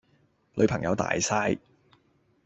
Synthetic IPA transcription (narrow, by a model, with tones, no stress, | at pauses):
lɵ̰˨˧ɥpʰɐ˨˩ŋjɐ̰˨˧wt̪a̰ː˨jsaː˥j